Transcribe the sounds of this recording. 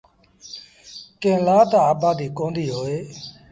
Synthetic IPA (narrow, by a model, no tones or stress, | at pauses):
kẽːlaːt̪aːaːbaːd̪iːkõːnd̪iːɦoːeː